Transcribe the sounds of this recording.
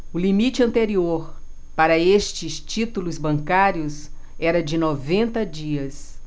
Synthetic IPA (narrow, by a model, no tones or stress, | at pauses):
ʊlimit͡ʃɪɐ̃nt̪eɾioɾ | paɾɐeʃt͡ʃɪst͡ʃit̪ulʊzbɐ̃ŋkaɾiʊs | ɛɾɐd͡ʒɪnɔvẽnt̪ɐd͡ʒiɐs